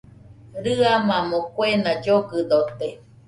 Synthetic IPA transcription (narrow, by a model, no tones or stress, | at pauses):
ɾɨamãmõkwenad͡ʒoɡɨd̪ot̪e